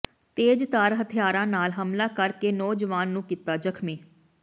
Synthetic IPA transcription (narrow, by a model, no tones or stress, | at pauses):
t̪eːd͡ʒt̪aːɾɦət̪ʰɪjaːɾãːnaːlɦəmlaːkəɾkeːnɔːd͡ʒəʋaːnːũːkit̪aːd͡ʒəkʰmiː